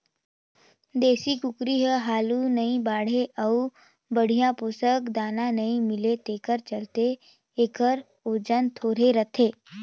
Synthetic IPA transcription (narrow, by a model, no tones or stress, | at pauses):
d̪eːsikʊkɾiɦəɦaːlunɐĩbaːɽ̤eʔəu | bəɽ̤ijãpʊsəkd̪aːnãnɐĩmɪlet̪eːkəɾt͡ʃəlt̪eː | kəɾ | od͡ʒənt̪ʰoːɾeɾət̪ʰeː